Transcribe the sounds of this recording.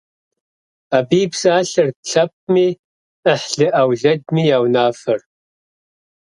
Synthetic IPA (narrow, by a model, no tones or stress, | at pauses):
abiːbsaːɬɨrɬʰɐp̚miː | əħɬɨʔawɮɐd̚mijaːwnaːfɨr